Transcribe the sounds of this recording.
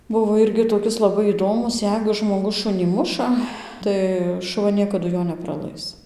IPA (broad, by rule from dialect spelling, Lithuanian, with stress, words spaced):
ˈbʊʋoː ˈɪrʲɡʲɪ toːˈkʲɪs lˠɐˈbɐɪ iːˈdoːmʊs ˈjɛɪɡʊ ʒmoːˈɡʊs ˈʃʊnʲiː ˈmʊʃɐ ˈtɐɪ ʃʊˈʋɐ ˈnʲiɛkɐdʊ ˈjoː nʲɛprɐˈlˠɐɪs